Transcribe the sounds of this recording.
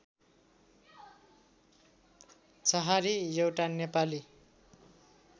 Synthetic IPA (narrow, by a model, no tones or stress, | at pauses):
t͡sʌɦaɾijʌwʈanepali